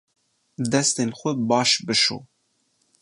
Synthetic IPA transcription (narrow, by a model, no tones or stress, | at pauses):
d̪ɛst̪eːnxʷɛbɑːʃbɨʃo̰ː